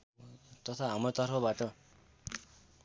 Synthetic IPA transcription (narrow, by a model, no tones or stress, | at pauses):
t̪ʌt̪ʰaɦamrot̪ʌrpʰʌbaʈʌ